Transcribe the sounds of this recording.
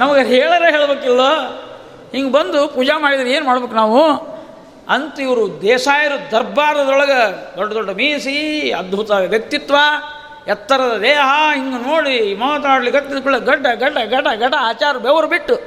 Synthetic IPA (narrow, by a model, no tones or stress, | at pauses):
nɐmɐɡeɦeːɭɐɾeːɦeːɭɐbeːkilːoː | hiŋɡɐbɐnd̪upuːd͡ʒamaːɽid̪ɐɾeːnumaːɽbeːkunaːʋu | ɐnt̪uiʋɐɾud̪ɛːʂaːjɐɾud̪ɐɾbaːɾɐd̪ɔɭɐɡɐd̪ɔɖːɐd̪ɔɖːɐmiːsiɐd̪̚bʱut̪aːɐʋjɐk̚t̪it̪ːʋaː | ɛt̪ːɐɾɐd̪ɐd̪eːɦɐiŋɡɐnoːɽimɔːt̪ɐaːɽɐliɡɐt̪ːid̪ukuɭːɐɡɐɖːɐɡɐɖːɐɡɐɖɐɡɐɖɐaːt͡ʃaːɾɐubɛʋɐɾubiʈːu